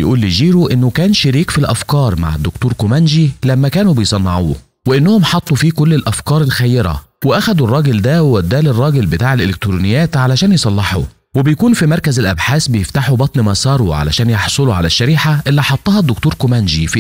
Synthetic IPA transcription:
jʔuːlːid͡ʒiːɾuʔenːokæːnʃeɾiːkfilʔæfkɑːɾˤma̰ʕḛd̪ːʊkt̪uːɾkomænʒilæmːækæːnubejsˤɑnːɑʕṵː | weʔenːʊhomħɑt̪ˤːufiːkʊlːelʔæfkɑːɾˤelxæjːeɾæ̰ | weʔæxæd̪urˤːɑːɡɪld̪æwwæd̪ːæːlerˤːɑːɡelbɪt̪aːʕelʔelek̚t̪ɾunɪjːæːt̪ʕalæʃæːnjesˤɑlːɑħṵ | webejkuːnfimɑɾˤkæzɪlʔæbħaːsbejeft̪aħubɑt̪ˤnmæsˤɑːɾˤuʕa̰læ̰ʃæːnjɑħsˤoluʕa̰læʃːæɾiːħaʔelːiħɑt̪ˤːɑːhɑd̪ːokt̪uːɾkomænʒif

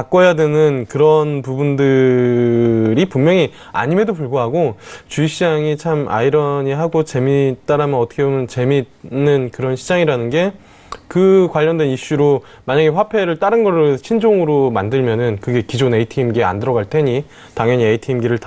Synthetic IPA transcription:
ak͈ʌjadwenɯnkɯɾʌnpubundɯ | ɾipummjʌŋi | a̰ɲime̞dopuɭɡoɦaɡot͡ɕuiɕ͈ʰiaŋit͡ɕʰama̰iɾʌɲiɦaɡot͡ɕe̞mit͈aɾamjʌnʌtʰʌkʰebomjʌnt͡ɕe̞mi | nɯnkɯɾʌnɕʰid͡ʑaŋiɾanɯnɡe̞ | kɯkwaʎːʌndwe̞niɕ͈uɾo | maɲaɡe̞ɸwapʰe̞ɾɯɭt͈aɾɯnɡʌɭot͡ɕʰind͡ʑoŋɯɾomandɯɭmjʌnɯnkɯɡe̞kid͡ʑoneitʰiːmɡia̰ndɯɾʌɡaɭtʰe̞ɲi | taŋjʌɲieitʰiːmɡiɾɯɭt

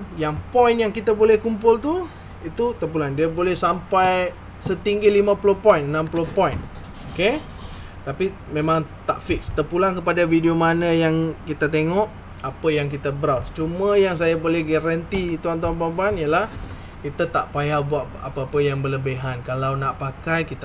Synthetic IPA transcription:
jaŋpɔjnjaŋkit̪abolɛhkumpʊlt̪u | it̪ut̪əp̬ulandiabolɛhsampaj | sət̪iŋɡilimãpulopɔinnãmpulopɔjn | oke | t̪api | mẽmãŋt̪a̰ʔfɪkst̪əpulaŋkəpadafidiomanəjaŋkit̪at̪eŋɔʔ | apəjaŋkit̪abəɾawt͡ʃuməjaŋs̬ajabolɛhɡaɾant̪it̪uant̪̬uanpanpanijalah | kit̪at̪aʔpajawbuaʔa̰pəapəjaŋbələbeɦankalawnaʔpakajkit̪

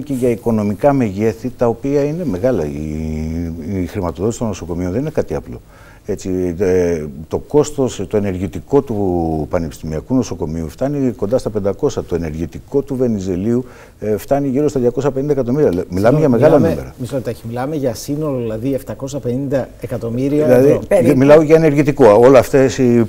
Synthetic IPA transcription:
ceʝɐiko̞no̞mikɐme̞ʝe̞θit̪ɐopiɐine̞me̞ɣɐlɐ̰i | xɾimɐt̪o̞ðot̪isit̪o̞no̞so̞ko̞mio̞nðeninekɐt̪iɐplo̞̰ | e̞t͡si | t̪o̞ko̞st̪o̞st̪o̞e̞ne̞ɾʝit̪iko̞t̪upɐnepi̥st̪imiɐkuno̞so̞ko̞miuft̪ɐniko̞nd̪ɐst̪ɐpe̞nd̪ɐko̞sɐt̪oene̞ɾʝit̪iko̞t̪uve̞nize̞liu | ft̪ɐniʝiɾo̞st̪ɐðʝɐko̞sɐpennd̪ekɐt̪o̞miɾiɐmilɐmeʝɐme̞ɣɐllɐnume̞ɾɐmisot̪ɐçimilɐmeʝɐsinoloðlɐðieft̪ɐko̞sɐpenind̪ɐekɐt̪o̞miɾiɐilɐðimilɐuʝɐene̞ɾʝit̪ikoolɐft̪esi

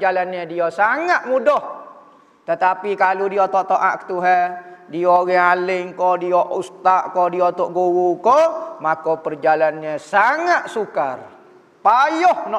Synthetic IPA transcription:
d͡ʒalanɲədiosaŋat̪̚mudɔh | t̪ət̪apikaludiot̪oʔt̪oʔa̰ʔkə̥t̪uɦɛdiɔɣɛalɪŋkɔdiɔʔust̪aʔkodiot̪ɔʔɡuɣukɔmakopərd͡ʒalanɲəsaŋat̪̚sukar | pajɔhnɔ

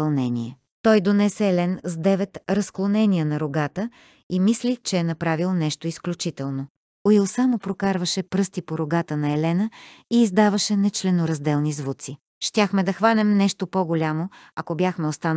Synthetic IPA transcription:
ɐlˠnɛniɛ | t̪ɔjd̪onɛsɛːlɛnzd̪ɛvɛt̪ɾɐsklˠonɛniənɐɾoɡat̪ə | imislʲit͡ʃɛːnɐpɾavilˠnɛʃt̪oisklʲut͡ʃit̪ɛlˠno | oilˠsamopɾokaɾvəʃɛpɾɤst̪ipoɾoɡat̪ənɐɛlɛnəiːzd̪avəʃɛnɛt͡ʃlɛnoɾɐzd̪ɛlˠnizvut̪si | ʃt̪ʲjaxmɛd̪ɐxvanɛmnɛʃt̪opoɡolʲamoɐkobjaxmɛost̪an

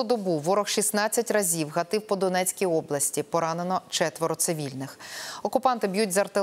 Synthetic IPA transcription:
ud̪ɔbuʋɔɾɔxʃisnɑt͡sʲːɐtʲrɐzʲiwɦɐt̪ɪwpɔd̪ɔnɛt͡sʲkʲijɔblˠɐsʲtʲipɔɾɑnenɔt͡ʃɛt̪ʋɔɾɔt̪sɪʋʲilʲnɪxɔkʊpɑnt̪ɪbʲjutʲzɐrt̪ɪ

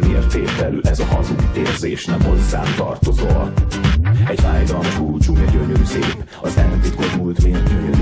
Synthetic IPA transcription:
neːrt̪eːt̪ɛlyːʔɛzɒhɒzut̪ːḛːrzeːʃnɛmɦo̞zːa̰ːnt̪ɒrt̪o̞zo | ɛɟfaːjd̪ɒlmɒʃuːt͡ʃumɛɟøɲøɾyseːp | ɒzɛmɛt̪it̪kormult̪meːt̪

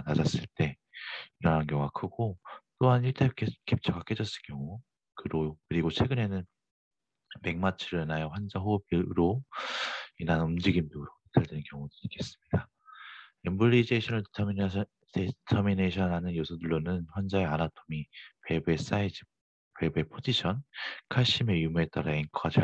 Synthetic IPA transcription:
nad͡ʑas͈ɯɭt͈e̞ | iɾʌnɦankjʌŋwakʰɯɡ̥ot͈oɦaniɭtʰekʰekʰep̚t͡ɕʰʌɡak͈ed͡ʑʌs͈ɯɭk͈jʌŋu | kɯɾokɯɾiɡot͡ɕʰwe̞ɡɯne̞nɯn | me̞ŋmat͡ɕʰɯɾenajoɸwand͡ʑaɦopiɾo | inanumd͡ʑiɡinbuɾoki̥tʰaɭdenɯnkjʌŋudɯɾik͈e̞s͈ɯ̥mɲida | embɯɭːid͡ʑeɕʰʌnɯɭtʰm | tʰetʰʌmineɕʰʌnɦanɯnjosʰudɯɭːonɯnɸwand͡ʑaeanatʰomipebes͈aid͡ʑi | pe̞bepʰod͡ʑiɕʰʌnkʰaɭɕ͈ime̞jumue̞t͈aɾainkʰad͡ʑa

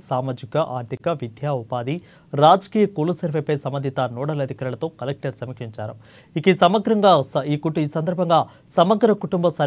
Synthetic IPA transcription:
saːmaːd͡ʒikɐʔaːɾt̪ʰikɐʋid̪ʱjaːupaːd̪i | ɾaːd͡ʒɐkiːjɐkuːlusɐɾʋepɐjsɐmːɐnd̪ʱit̪ɐnuːɽɐlɐd̪ʱikaɾulɐt̪o̞ːkɐlek̚ʈɐɾsɐmikiɲt͡ʃaːɾɐm | ikisɐmɐɡɾɐŋɡaːsikuiːsɐnd̪ɐɾbʱɐŋɡaː | sɐmɐɡɾɐkuʈumbɐsɐ

